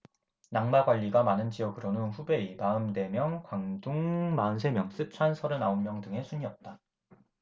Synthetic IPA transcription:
naŋmaɡwaʎːiɡamanɯnd͡ʑiʌɡɯɾʌnɯnɸube̞imaɯmde̞mjʌŋkwaŋdoŋmansʰe̞mjʌŋs͈ɯp̚t͡ɕʰwansʰʌɾɯnaonmjʌŋdɯŋe̞sʰuɲiʌp̚t͈a

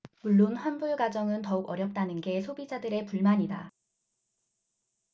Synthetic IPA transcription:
muɭːonɸwʌnbuɭɡad͡ʑʌŋɯntʌuɡʌɾjʌp̚t͈anɯnɡe̞sʰobid͡ʑadɯɾe̞puɭmaɲida

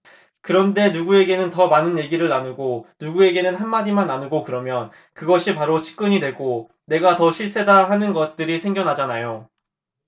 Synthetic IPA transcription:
kɯɾʌnde̞nuɡue̞ɡe̞nɯntʌmanɯnje̞ɡiɾɯɭːanuɡonuɡue̞ɡe̞nɯnɦanmadimanːanuɡokɯɾʌmjʌn | kɯɡʌɕʰipaɾot͡ɕʰi̥k̚k͈ɯɲidwe̞ɡo | ne̞ɡatʌɕʰiɭs͈e̞daɦanɯnɡʌt̚t͈ɯɾisʰe̞ŋɡjʌnɦad͡ʑanajo

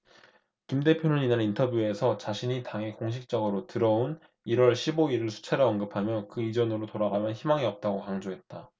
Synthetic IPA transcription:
kimde̞pʰjonɯninaɾintʰʌbjue̞sʰʌt͡ɕaɕʰiɲitaŋe̞koŋɕʰik̚t͡ɕ͈ʌɡɯɾotɯɾʌun | iɾwʌɭɕʰiboiɾɯɭsʰu̥t͡ɕʰaɾɯʌnɡɯpʰamjʌkɯid͡ʑʌnɯɾotoɾaɡamjʌnçimaŋiʌp̚t͈aɡokaŋd͡ʑoɦe̞t̚t͈a

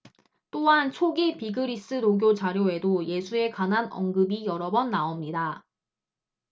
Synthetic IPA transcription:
t͈oɦant͡ɕʰoɡipiɡɯɾis͈ɯnoɡjot͡ɕaɾjoe̞doje̞sʰue̞kanɦanʌ̰ŋɡɯbijʌɾʌbʌnːaomɲida

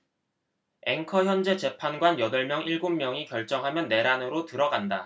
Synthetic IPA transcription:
e̞ŋkʰʌçjʌnd͡ʑe̞t͡ɕe̞pʰanɡwanjʌdʌɭmjʌŋiɭɡumːjʌŋikjʌɭt͡ɕ͈ʌŋɦamjʌnːe̞ɾanɯɾotɯɾʌɡanda

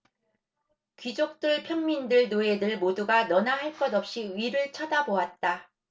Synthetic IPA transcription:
kɥid͡ʑok̚t͈ɯɭpʰjʌŋmindɯɭnoe̞dɯɭmoduɡanʌnaɦaɭk͈ʌdʌp̚ɕ͈iɥiɾɯɭt͡ɕʰʌdaboat̚t͈a

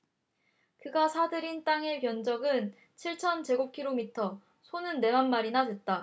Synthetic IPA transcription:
kɯɡasʰadɯɾint͈aŋe̞pjʌnd͡ʑʌɡɯn | t͡ɕʰiɭt͡ɕʰʌnt͡ɕe̞ɡokʰiɾomitʰʌ | sʰonɯnːe̞manmaɾinadwe̞t̚t͈a

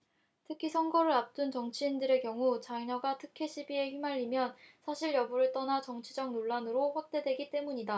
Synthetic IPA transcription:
tʰɯkʰisʰʌŋɡʌɾɯɾap̚t͈unt͡ɕʌŋt͡ɕʰiːndɯɾe̞kjʌŋut͡ɕaɲʌɡatʰɯkʰe̞ɕʰibie̞ɸɥimaʎːimjʌnsʰaɕʰiɭjʌbuɾɯɭt͈ʌnat͡ɕʌŋt͡ɕʰid͡ʑʌŋnoɭːanɯɾoɸwak̚t͈e̞dwe̞ɡit͈e̞muɲida

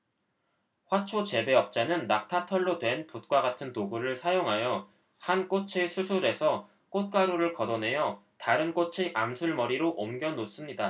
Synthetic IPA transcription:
ɸwat͡ɕʰot͡ɕe̞be̞ʌp̚t͡ɕ͈anɯnːak̚tʰatʰʌɭːodwe̞nput̚k͈waɡatʰɯntoɡuɾɯɭsʰajoŋɦajʌ | hank͈ot͡ɕʰesʰusʰuɾe̞sʰʌ | k͈ot̚k͈aɾuɾɯɭkʌdʌne̞jʌtaɾɯnk͈ot͡ɕʰiʔamsʰuɭmʌɾiɾoʔomɡjʌnos͈ɯmɲida

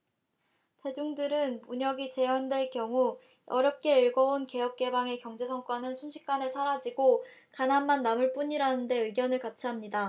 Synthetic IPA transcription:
te̞d͡ʑuŋdɯɾɯnmuɲʌɡit͡ɕe̞ʌndwe̞ɭkjʌŋu | ʔʌɾjʌp̚k͈ʰe̞iɭɡʌonke̞jʌp̚k͈e̞baŋe̞kjʌŋd͡ʑe̞sʰʌŋk͈ʌnɯnsʰunɕʰi̥k͈̚ane̞sʰaɾad͡ʑiɡokanɦanmanːamuɭp͈uɲiɾanɯnde̞ɯɡjʌnɯɭkat͡ɕʰiɦamɲida

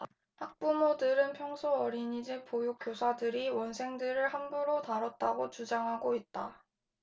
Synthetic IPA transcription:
hak̚p͈umodɯɾɯnpʰjʌŋsʰoʌɾiɲid͡ʑepojuk͈josʰadɯɾiwʌnsʰe̞ŋdɯɾɯɭhanbuɾotaɾʌt̚t͈aɡot͡ɕud͡ʑaŋɦaɡoit̚t͈a

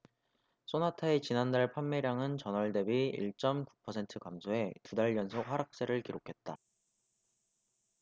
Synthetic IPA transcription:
s͈ʰonatʰaet͡ɕinandaɭpʰamːeɾjaŋɯnt͡ɕʌnʌɭde̞biḭɭt͡ɕ͈ʌmku̥pʰʌsʰe̞ntʰɯkamsʰoe̞tudaɭjʌnsʰok̚ɸaɾak̚s͈e̞ɾɯɭkiɾokʰe̞t̚t͈a

